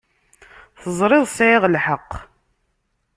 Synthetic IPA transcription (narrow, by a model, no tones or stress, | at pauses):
θəzˤɾˤɪðˤsʕɪʁlħəqː